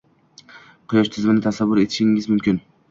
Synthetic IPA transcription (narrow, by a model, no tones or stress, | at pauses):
qʰʊjɒʃt̪ʰɪzmɪnɪt̪ʰasavːʊɾe̞t̪ʰɪ̥ʃɪŋɪzmʊmkʲʰɪn